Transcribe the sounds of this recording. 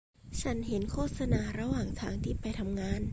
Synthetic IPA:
t͡ɕʰa˦˥nɦe˩˦nkʰoː˥˩t̪̚sa˧naː˧ɾa˧waː˨˩ŋt̪ʰaː˧ŋt̪ʰiː˥˩pa˧jt̪ʰa˧mŋaː˧˥˩n

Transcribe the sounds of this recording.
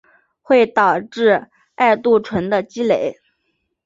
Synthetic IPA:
xwe˥˩ɪt̪ɑ˨˩ʊʈ͡ʂɻ̩˥˩˧ | a˥˧ɪt̪u˥˩ʈ͡ʂʰwə˧˥nd̪ə˧t͡ɕi˥le˧˥˦ɪ

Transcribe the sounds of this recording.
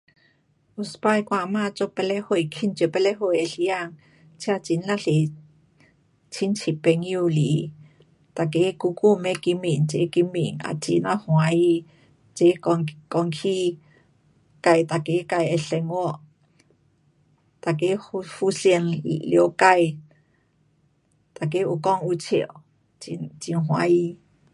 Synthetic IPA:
ʔu˧˨spa˧˨jkwa˧˨ma˧˨t͡so˧pɛ˧lɛ˦ho˧˨jkʰi˦nt͡ʃi˧˨pɛ˧lɛ˦ɦo˨jɛ˨ɬi˧ja˧˨ŋ | t͡sʰi˦a˧t͡si˧˨nla˦ɬe˨ | t͡sʰi˦nt͡sʰi˨pɛ˧ŋju˧li˨ | t̪a˨ke˧˦ku˧ku˦˨mɛ˧ki˧mi˨nt͡sḛ˧˦ki˧mḭ˨ŋa̰˨t͡sḭ˧˨na˧hũ˨a˧ji˧ | t͡ʃe˧˦ŋkɔ˧ŋkʰi˦ | ka˧˨jt̪a˨ke˧˦ka˧je˧ɬɛ˧ŋɔ˦ʔ | t̪a˨ke˧˦hu˧ɬi˧ə˨nḭ˨li˧o˨˧ka˧j | t̪a˨k̬e˦ʔu˧˨kɔ˦ŋu˧t͡sʰi˧˨o̰˨ | it͡ʃi˧nɦw̃a˧˦ji˧

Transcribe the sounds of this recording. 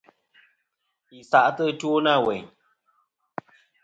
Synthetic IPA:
i˨sa˨ʔtə˦two˦na˦˨wɛ˨ɲ

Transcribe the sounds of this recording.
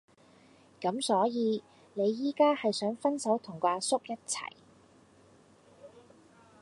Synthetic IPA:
kɐ˨˥msɔː˨˥jiː˨˧ | ne˨˧jːiː˥kaː˥hɐ˨jsœː˨˥ŋfɐ˥nsɐ˨˥wt̪ʰʊ˨˩ŋkʷwaː˧sʊ˥k̚jɐ˥t̚t͡sʰɐ̰˨˩j

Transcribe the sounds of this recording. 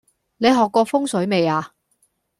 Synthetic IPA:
ne˨˧jɦɔː˨kːɔː˧fʊ˥ŋsɵ˨˥ɥme˨˧jaː˧

